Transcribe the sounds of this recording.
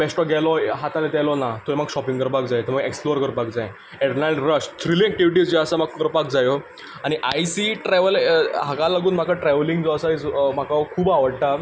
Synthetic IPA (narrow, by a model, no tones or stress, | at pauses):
bɛsʈɔɡɛlɔɦat̪alet̪ɛlɔnat̪oeməɡɕɔpiŋɡkəɾpakd͡zajt̪əɾməɡeksploəɾkəɾpakd͡zaj | ɛʈnalɾəɕt̪ʰɾilĩɛk̚ʈiʋiʈid͡zd͡ʑeəsaməɡkəɾpakd͡zajɔ | aɽ̃iʔajsiʈɾɛʋəlɦakalaɡuːnm̤akʰaʈɾɛʋliŋɡd͡zɔəsait͡sm̤akʰakʰuːbaʋəɽʈa